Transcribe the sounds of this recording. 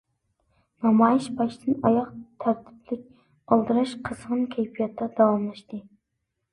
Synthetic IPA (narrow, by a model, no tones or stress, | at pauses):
nɑmɑjiʃbɑʃd̪ʰɨnɑjɑqt̪ʰæɾt̪ʰɪ̥plɪk̚ʲ | ɑlˠd̪ɨɾɑʃqʰəz̥ʁɨnkʲʰæjpʰijɑt̪ʰːɑd̪ɑwɑmlˠɨʃt̪ɨ